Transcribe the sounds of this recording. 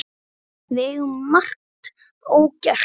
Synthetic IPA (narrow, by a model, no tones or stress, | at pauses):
vɛɣmmar̥k̚t̪ | oːwcar̥